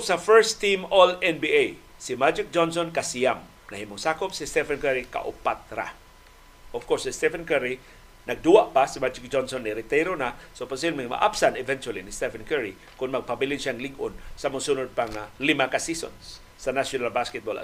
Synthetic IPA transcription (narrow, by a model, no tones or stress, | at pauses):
safɛɹst̪ĩmɔlɛnbiʔej | simad͡ʒɪk̚d͡ʒɔnsonkasiam | nɐhimʊŋsakʊp̚sist̪ɛfankɛɾika̰ʔʊ̰pat̪ɾa̰ | ʔɔv̥kɔɹsɪst̪ɛfankɛɾi | nɐɡ̚d̪uwaʔpasimad͡ʒɪk̚d͡ʒɔnsonːiɾɪt̪ɛɾonasoposiblmiŋma̰ʔapsanɪvɛnt͡ʃualinɪst̪ɛfankɛɹi | kʊnmɐɡ̚pabilinʃaŋliɡʊnsamʊsunʊd̪̚paŋalimakasiso̰ns | sɐnaʃjonalbaskɛt̪̚bola̰